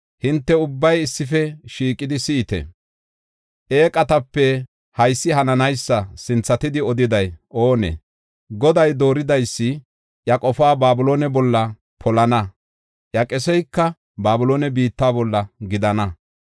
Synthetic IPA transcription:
hɪnt̪ːɛʊbːɐjɪsːɪfɛʃiːkʼːɪd̪ɪsɪːt̪ɛ̰ | ʔe̞ːkʼɐt̪ɐpːɛ | hɐjsːɪɦɐnɐnɐjsːɐsɪnt͡sːɐt̪ɪd̪ɪɔd̪ɪd̪ɐjʔoːnɛ̰ | ɡɔd̪ɐjd̪o̞ːɾɪd̪ɐjsːɪ | jɐkʼɔfaːbaːbʊlo̞ːnɛbɔlːɐ | pʰɔlɐnɐ | jɐkʼɛsɔjkːɐ | baːbʊlo̞ːnɛbiːt̪ːaːbɔlːɐɡɪd̪ɐnɐ

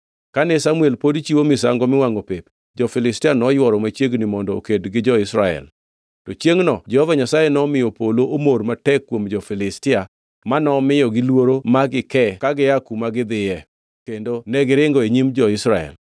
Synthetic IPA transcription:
kanɪsamuɛlpodt͡ʃiwomɪsa̰ŋɡɔmɪwaŋopep | d͡ʒɔfɪlɪstɪanɔjwɔɾɔmat͡ʃjeɡnɪmɔndɔo̰kedɡɪd͡ʒɔɪsɾaɛ̰l | tɔt͡ʃjeŋnɔd͡ʒɛhɔvaɲasajenɔmɪjɔpoloʔomormatɛkːwomd͡ʒɔfɪlɪstɪa | manɔmɪjɔɡɪlwoɾomaɡɪkɛkaɡɪakumaɡɪd̪ɪjɛ | kendonɛɡɪɾɪŋɡɔeɲimd͡ʒɔɪsɾaɛ̰l

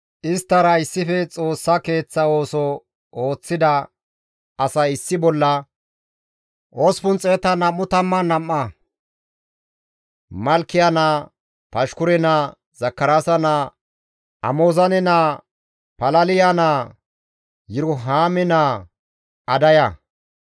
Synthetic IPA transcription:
ʔɪst̪ːɐɾɐɪsːɪfɛt͡sʼo̞ːsːɐke̞ːt͡sːɐo̞ːsɔ | o̞ːt͡sːɪd̪ɐː | sɐjɪsːɪbɔlːɐ | ʔospʊnt͡sʼeːt̪ɐnɐmːʊt̪ɐmːɐnɐmːɐ | mɐlkːɪjɐna | pɐʃkʊɾɛna | z̥ɐkːɐɾasɐnaː | ɐ̰moːzɐnɪna | pɐlɐlɪjana | jɪɾʊɦaːmɪna | ɐd̪ɐjɐ

